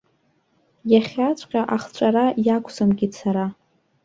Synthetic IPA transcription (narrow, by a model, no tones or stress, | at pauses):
jaχʲat͡ɕʷʼqʲʼaʔaχt͡ɕʷʼaɾajakʷʰʼsamɡʲit͡sʰaɾa